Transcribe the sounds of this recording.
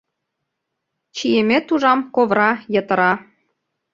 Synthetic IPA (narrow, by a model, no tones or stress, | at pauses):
t͡ɕijemʲet̪uʒɑmkoβɾɑjɤ̆t̪ə̆ɾɑ